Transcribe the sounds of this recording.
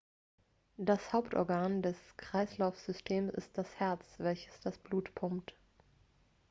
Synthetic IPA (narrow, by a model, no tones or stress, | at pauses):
d̥ashaʊptʰʔɔ̰ɐɡaːndɛskʁ̥aɪslaʊfz̥ʏstʰeːmsɪ̰st̚d̥ashɛɐt͡sv̥ɛlçə̥sd̥asb̥luːtpʰʊmpt